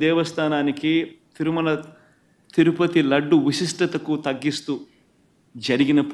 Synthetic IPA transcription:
d̪ɛːʋɐst̪ʰaːnaːnikit̪iɾumɐlɐ | t̪iɾupɐt̪ilɐɖːuʋiʃiʂʈɐt̪ɐkut̪ɐɡːist̪u | d͡ʒɐɾiɡinɐp

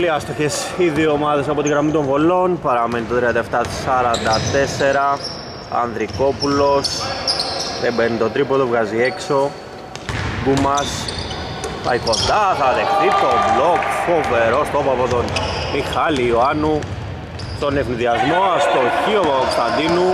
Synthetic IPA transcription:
oliɐst̪oçe̞siðiomɐðe̞sɐpo̞t̪iɣɾɐmit̪o̞ɱvo̞lo̞npɐɾɐmenit̪ot̪ɾiɐnt̪ɐeft̪ɐt̪i̥sɐɾɐnd̪ɐt̪e̞se̞ɾɐ | ɐ̰nðɾiko̞pulo̞s | ðembeɾnit̪o̞t̪ɾipo̞t̪ovɣɐziekso̞ | ɡumɐs | pɐ̰iko̞nd̪ɐθɐðe̞xθit̪o̞vlo̞kfo̞ve̞ɾost̪opɐpot̪o̞nmixɐlioanu | t̪o̞ne̞vniðiɐzmo̞ɐst̪oçiopookost̪ɐnd̪inu

